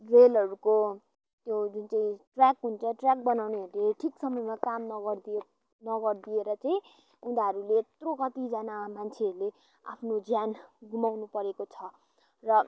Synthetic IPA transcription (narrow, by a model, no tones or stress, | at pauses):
relʌɾuko | t̪jod͡zunt͡saĩʈrakɦunt͡sʰʌʈrak̚bʌnawneɦʌɾuleʈʰiksʌmʌjmakamnʌɡʌd̪i | nʌɡʌrd̪ieɾʌt͡saĩ | ud̪aɦʌɾulet̪rokʌt̪id͡zanamant͡sʰeʌɾule | a̰pʰnod͡zjanɡumawnupʌɾekot͡sʰʌ | rʌ